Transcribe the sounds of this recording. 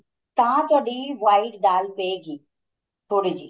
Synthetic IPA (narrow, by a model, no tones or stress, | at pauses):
t̪ãt̪ʊaːɖiʋaːɪʈd̪aːlpeːɡiː | t̪ʰoːɽid͡ʒiː